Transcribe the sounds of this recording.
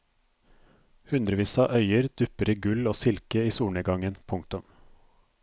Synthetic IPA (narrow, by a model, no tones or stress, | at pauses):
hʉnd̪ɾəʋiːsɑʔœʏəɾd̪̥ʉpəɾiːɡʉloːsɪlkəiːsuːɳəɡɑŋənpʰʊŋk̚t̪ʊm